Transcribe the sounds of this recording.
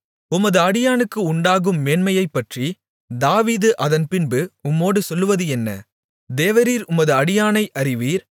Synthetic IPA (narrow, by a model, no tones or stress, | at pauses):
ʊmɐðɯɐɽɪjaːnɯkːɯʊɳɖaːɣɯmːɛːnmɐjɐɪpːɐʈri | d̪aːʋiːðɯʔɐðɐnpɪnbɯʊmːoːɽɯsɔlːɯʋɐðɯɛnːɐ̰ | d̪eːʋɐɾiːɾʊmɐðɯɐɽɪjaːnɐɪʔɐɾɪʋiːɾ